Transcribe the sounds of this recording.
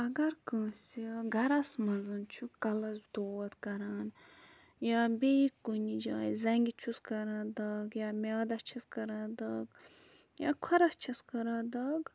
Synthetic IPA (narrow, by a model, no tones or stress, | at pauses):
ɐɡɐɾkə̃ːsiɡʱɐɾɐsmɐnzɐnt͡ʃʰukɐlɐzd̪oːwɐt̪kɐɾaːn | jaːbeikːunid͡ʒa̰ːjzɐŋɡʲit͡ʃʰuskɐɾãːd̪ɐːɡjaːmʲjaːd̪ɐst͡ʃʰɐskɐɾãːd̪ɐːɡ | ja̰ːkʰɐɾɐst͡ʃʰɐskɐɾãːd̪ɐːɡ